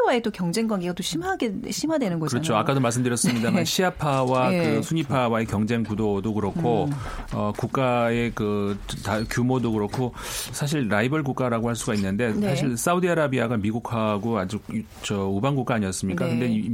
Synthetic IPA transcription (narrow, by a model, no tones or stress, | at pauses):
waet͈okjʌŋd͡ʑe̞ŋɡwaŋɡeɡat͈oɕʰimaɡeɕʰimɦadwenɯnɡʌkɯɾʌt͡ɕʰoakk͈adomaɭs̬͈ɯmdɯɾjʌs͈ɯmɲidamanɕʰiapʰawakɯsʰuɲipʰawae̞kjʌŋd͡ʑe̞ŋkudodokɯɾʌkʰoʌkuk̚k͈ae̞kɯtakjumodokɯɾʌkʰosʰaɕ̬ʰiɭɾaibʌɭɡuk͈aɾaɡohaɭs͈uɡainːɯnde̞nsʰaɕʰiɭs͈audiaɾabiaɡamiɡuk̚ʰaɡoad͡ʑuk | t͡ɕʌubaŋɡuk͈aːɲiʌs͈ɯmɲik͈akkɯnde̞i